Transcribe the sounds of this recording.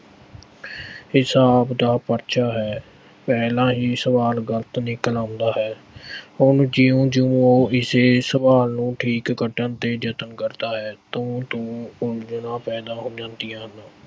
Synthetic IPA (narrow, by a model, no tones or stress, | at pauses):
hɪsaːpd̪aːpəɾʃʰaːɦɛː | pɛːlãːɦiːsəʋaːlɡələt̪nɪːkəlãːʊnd̪aːɦɛː | ʊnd͡ʒɪũːd͡ʒʊ̃ːoːɪseːsəʋaːlnũːʈʰiːkːəʈənt̪eːd͡ʒət̪ənkəɾd̪aːɦɛːt̪ʊ̃ːt̪ũːʊld͡ʒənãːpɛːd̪aːɦoːd͡ʒãːnd̪ijãːɦənaː